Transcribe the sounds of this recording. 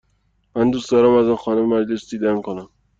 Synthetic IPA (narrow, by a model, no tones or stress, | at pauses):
mænd̪uːst̪ɒɾæmæzɒnxɒːnememæɾd͡ʒesd̪iːd̪æmkʰonæm